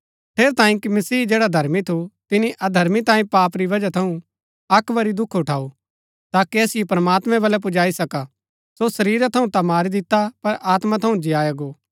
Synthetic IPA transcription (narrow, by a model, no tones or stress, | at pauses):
ʈʰeːɾt̪ãːĩkimɐsiːd͡ʒeːɽad̪ʱɐɾmit̪ʰut̪ɪniʔʔɐd̪ʱɐɾmit̪ãːĩpaːpɾiʋɐd͡ʒat̪ʰɐũ | ɐkʋɐɾid̪ʊkʰʊʈʰaːu | t̪aːkiɛːsɪjopɾɐmaːt̪mɛ̃bɐlɛp̬ʊd͡ʒaːisɐka | sosɐɾiːɾat̪ʰɐũt̪amaːɾid̪ɪt̪apɐɾaːt̪mat̪ʰɐũd͡ʒɪjaːjɐɡoː